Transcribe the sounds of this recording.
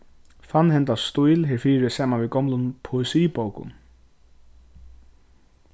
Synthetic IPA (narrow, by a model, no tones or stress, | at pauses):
fanhɛnt̪ast̪ujlɦɪɾfiːɾɪsaːmanviɡɔmlʊnpʰʊɪsiːpowkʊ̰n